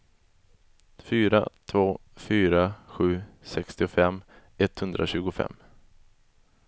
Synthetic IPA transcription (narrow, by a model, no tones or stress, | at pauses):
fyːɾa̰t̪ʰvoːfyːɾaɧʉ̟ːsɛkst̪ɪʊfɛmː | ɛt̪hɵnd̪ɾaɕʉ̟ːɡʊfɛ̰mː